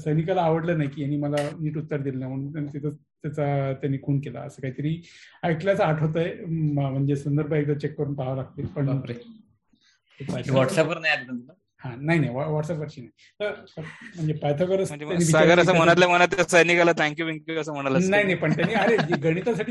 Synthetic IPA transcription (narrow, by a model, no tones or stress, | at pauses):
səjnikalaːʋəɽləɾnaɦikiːjaniːməlaniːʈ̬ut̪ːəɾd̪ilneməɳut̪ant̪it̪ʰə | t̪jat͡sat̪janːiːkʰuːɳkela̰ə̰səːkaɦit̪əɾiːaiʈljat͡saʈʰɦot̪aemm̤əɳd͡zesənd̪əɾbʱəek̚d̪ət͡ɕekːəɾuːnpaɦlak̚t̪iːlpəɳɾe | t̪epajt̪aʋɔʈsɛpʋəɾnajat̪məla | hãnaɦinaɦiʋaʋɔʈsɛpʋəɾɕiːnai | t̪əɾm̤əɳd͡zepajt̪ʰakəɾət͡sməɳd͡ʑejanːibʱisaɡəɾəsam̤əñat̪lam̤ənat̪lasəjnikalat̪ʰæ̃ŋkjubʱeŋkuəsəm̤əɽ̃alanaɦinaɦipəɳt̪janːiaɾed͡ʑiɡəɽ̃it̪asaʈʰiː